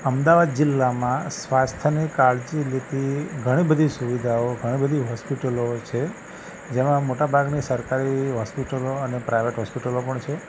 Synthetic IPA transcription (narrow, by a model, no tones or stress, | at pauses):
əmd̪aʋad̪̚d͡ʒɪlːamãsʋast̪ʰənikaɭd͡ʒilet̪iɡʱəɽ̃ibəd̪ʱisuʋid̪ʱaoɡʱəɽ̃ibəd̪ʱiɦɔspiʈəlot͡ʃʰe | d͡ʒemãmoʈabʱaɡnisəɾkaɾiɦɔspiʈəloənepɾajʋeʈɦɔspiʈəlopəɳt͡ʃʰe